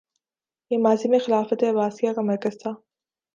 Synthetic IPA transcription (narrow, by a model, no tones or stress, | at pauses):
jemɑzɪmixɪlɑːfat̪ebɑːsijɑɣamaɾkazd̪a